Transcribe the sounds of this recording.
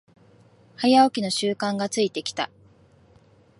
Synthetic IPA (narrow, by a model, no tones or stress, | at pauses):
hajaokʲino̞ɕɨːkãŋɡat͡sɨit̪e̞kʲi̥t̪a̰